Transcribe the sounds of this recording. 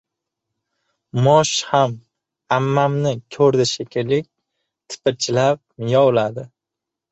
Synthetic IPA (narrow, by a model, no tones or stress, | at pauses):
mɒʃham | amːamnɪkʲʰɵɾd̪ɪʃekʲʰɪlːɪk̚ʲ | t̪ʰɪ̥pʰɪt͡ʃʰɪlap̚jɒwlad̪ɪ